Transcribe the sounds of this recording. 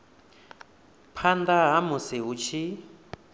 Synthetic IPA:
pʰand̪aɦamusiɦut͡ʃʰi

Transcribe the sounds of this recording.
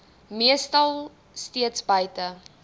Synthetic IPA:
miəstɐlˠ | stiətsbəjtə

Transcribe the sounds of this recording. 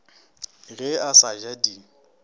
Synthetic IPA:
ɣɛasad͡ʒadi

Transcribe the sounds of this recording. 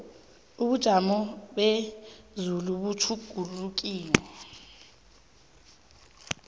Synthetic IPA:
uɓud̥ʒ̥ʱamɔɓezuluɓut͡ʃʰuɡ̥ʱuluk̬ʼiːlɛ

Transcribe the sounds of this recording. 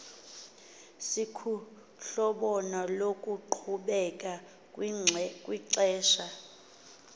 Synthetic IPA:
sikʰu | ɬɔɓɔnɔlokʼuǃʰuɓɛkʼa | kʼkʼwiǀɛːʃa

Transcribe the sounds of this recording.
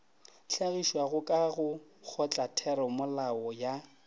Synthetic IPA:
ɬaɣiʃwaɣʊkʼaɣʊk͡xʰɔt͡ɬʼatʰɛɾɔmʊlaɔja

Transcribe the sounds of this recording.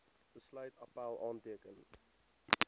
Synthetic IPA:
b̥əslœɥtʰɑpælˠɑːntiəkən

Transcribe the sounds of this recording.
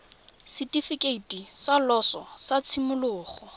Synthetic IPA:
sitʼifikʼeitisalɔsɔsat͡sʰimʊlʊːχɔ

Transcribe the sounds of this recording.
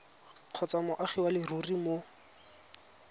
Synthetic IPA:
q͡χʰɔt͡samʊʔaχiwalɪrurimo

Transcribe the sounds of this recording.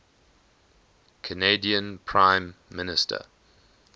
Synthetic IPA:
kʰənediə̃npʰɹãɪ̃mːɪnɪstʰə̰

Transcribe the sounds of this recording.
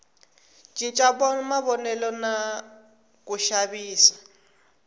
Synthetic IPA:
t͡ʃʼit͡ʃʼabɔmaβɔnɛlɔna | kʼuʃaβiːsḁ

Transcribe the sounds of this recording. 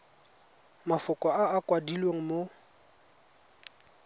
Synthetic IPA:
mafʊkʼɔaːkwadilweŋ̩mo

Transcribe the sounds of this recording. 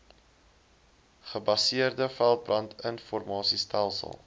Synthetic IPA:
χəbɐsiərdəfælˠt̚brɐntʰənfɔrmɑːsistælˠsə̰lˠ

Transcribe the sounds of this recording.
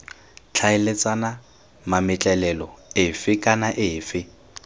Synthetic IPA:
t͡ɬʰaɪlet͡sʼana | mamɪt͡ɬʼɛlɛlɔɪfɪkʼanaʔɪːfɪ

